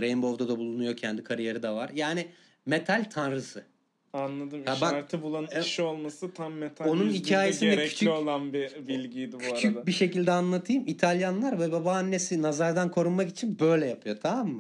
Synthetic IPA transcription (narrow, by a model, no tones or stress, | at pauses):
ɾejimbo̞vd̪ad̪abulˠunujo̞cʰɛnd̪ikʰaɾijeɾid̪avaɾjaːnɪ | met̪ʰalʲt̪ʰanɾɯsɯ | anlˠad̪ɯmhabaaɾt̪ʰɯbulˠanʃolˠmasɯt̪ʰamːet̪ʰao̞nunhicʰaːjesind̪ɛɾɛyt͡ʃiolˠanbibilʲɟijd̪ibcʰuyat͡ʃʰyc̚biʃe̞cilʲd̪ɛanlˠat̪ʰɯjɯmit̪ʰalʲjanlˠaɾvɛbabaːnːe̞sinazaɾd̪ankʰo̞ɾunmakit͡ʃʰinbø̞jlʲɛjapʰɯjo̞t̪ʰamamːa